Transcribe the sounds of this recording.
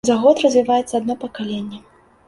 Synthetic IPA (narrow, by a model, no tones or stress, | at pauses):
zaɣɔt̪rɐzʲvʲivajɛt̪sːɐad̪nɔpɐkalʲenʲːɛ